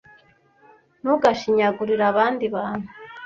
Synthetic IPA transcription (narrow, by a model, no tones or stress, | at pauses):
nuɡaʃiɲaɡuɾiɾaβaːnd̪iβan̥u̥